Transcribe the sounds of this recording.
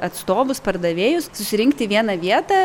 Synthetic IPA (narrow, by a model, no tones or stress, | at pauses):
ɐt̪st̪oːʋʊspɐrd̪ɐʋʲeːjʊssʊsʲɪɾʲɪŋkt̪ʲɪʋʲiɛnɐʋʲiɛt̪ɐː